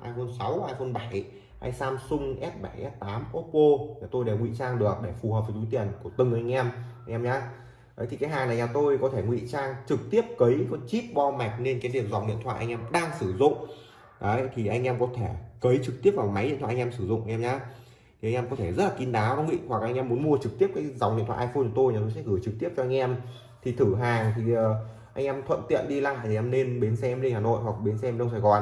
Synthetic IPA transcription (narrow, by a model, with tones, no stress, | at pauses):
haː˧jxo˧nsa˨˦whaː˧jxo˧nɓa˧˩j | ha̰ː˧jsaː˧msʊ˧ŋ͡mʔɛ˦˥p̚ɓa˧˩jʔɛ˦˥p̚t̪aː˨˦mʔo˦˥t̚po˧ɲaː˨˩t̪o˧jɗe˧˩ŋwḭ˧˨t͡ɕaː˧ŋɗɨ˨˩ək̚ɗe˧˩fu˨˩həː˨˩və˨˩t̪u˨˦t̪i˨˩ənku˧˩ət̪ɨ˨˩ŋ˩˨ʔa˧ŋʔɛ˧mʔa˧jŋʔɛː˧mɲaː˨˧˦ | ɗə˨˦jt̪i˨˩kaː˨˦jɦaː˨˩ŋnaː˨˩ɲaː˨˩t̪o˧jkɔ˨˦t̪ʰe˧˩ŋwḭ˧˨t͡ɕaː˧ŋt͡ɕɨ˨˩k̚t̪i˦˥əp̚kə˨˦jxɔ˧˨˦nt͡ɕi˦˥p̚ɓɔ˧ma˨˩k̚ne˧nkaː˨˦ɗi˨˩əmzɔ̰˧˨ŋ͡m̚ɗḭ˧˨ənt̪ʰwa̰ː˧˨jʔa˧ŋ̟ʔɛ˧mɗaː˧ŋsɨ˧˩zʊ̰˧˨ŋ͡m | ɗə˨˦jt̪ʰi˨˩ʔa˧jŋ̟ʔɛ˧mkɔ˨˦t̪ʰe˧˩kə˨˦jt͡ɕɨ˨˩k̚t̪i˦˥əp̚vaː˨˩ma˨˦jɗḭ˧˨t̪ʰwaː˧˨˧ŋ˧msɨ˧˩zʊ̰˧˨ŋ͡mʔa˧ŋʔɛ˧ɲaː˨˧˦ | t̪ʰi˨˩ʔa˧jŋʔɛ˧mkɔ˨˦t̪ʰe˧˩zə˦˥t̚laː˨˩ki˨˧˦nɗaː˨˦wɗa˨˦ŋḭ˧˨wa˨˩k̚ʔa˧jŋʔɛ˧mːu˨˦ənmu˧ət͡ɕɨ˨˩k̚t̪i˦˥əp̚kaː˨˦za˨˦wŋ͡mḭ˧˨t̪ʰwaː˧˨ʔaː˧fo˧nt͡ɕɔ˧˦t̪o˧jɲaː˨˩t̪o˧jsɛ̰˧˥ɣɨ˧˩jt͡ɕɨ˨˩k̚t̪i˦˥əp̚t͡ɕɔ˧ʔa˧ŋ̟ʔɛ˧m | t̪ʰi˨˩t̪ʰɨ˧˩ɦaː˨˩ŋt̪ʰi˨˩əː˨˩ | ʔa˧jŋʔɛ˧mt̪ʰwə̰˧˨nt̪ḭ˧˨ənɗi˧laː˧˨˩ʔɛ˧mne˧nɓe˨˦nsɛ˧mle˧nhaː˨˩no̰˧˨jhwa˨˩k̚ɓe˨˦nsɛ˧mɗə˧wsaː˧˩jɣɔ˨˩n